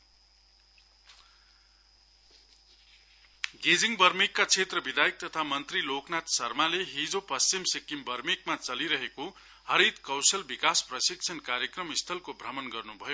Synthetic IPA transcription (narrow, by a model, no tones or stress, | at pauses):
ɡed͡ziŋɡbʌrmikːat͡sʰet̪rʌbid̪ajik̚t̪ʌt̪ʰamʌnt̪riloknat̪sʌrmaleɦid͡zopʌst͡simsikimbʌrmikmat͡sʌliɾʌɦeko | hʌɾit̪kʌwsʌlbikasprʌsik̚t͡sʰʌnkaɾjʌkrʌmist̪ʰʌlkobʱrʌmʌnɡʌrnubʱʌjo